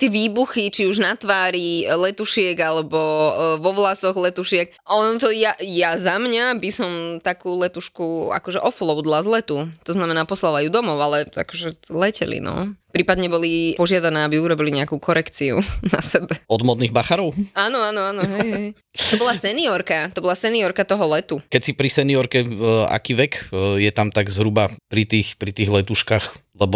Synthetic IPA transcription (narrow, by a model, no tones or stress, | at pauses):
t̪ɪɛʋiːbuxit͡ʃiuʒnat̪ʋaːɾilɛt̪uʃɪɛɡalɛbɔʋɔʋlasɔɣlɛt̪uʃɪɛk | ɔnɔt̪ɔjajazamɲabisɔmt̪akuːlɛt̪uʃkua̰kɔʒɛʔɔflˠɔʊd̪lazlɛt̪ut̪ɔznamɛnaːpɔslalajud̪ɔmɔʊalɛa̰kɔʒɛlɛcɛ̰lḭnɔ̰pɾiːpad̪ɲɛbɔlipɔʒɪad̪anɛːabiuɾɔbiliɲɛakuːkʰɔɾɛkt͡siṵna̰sɛbɛɔd̪mɔd̪niɣbaxaɾɔʊaːnɔanɔanɔɦɛjɦɛj | t̪ɔbɔlˠasɛniɔɾkat̪ɔbɔlˠasɛniɔɾkat̪ɔɦɔlɛt̪ukɛcsipɾisɛniɔɾkɛa̰kiːʋɛkjɛt̪amt̪aɡzɦɾubapɾit̪iːxpɾit̪iːɣlɛt̪uʃkaxlɛbɔ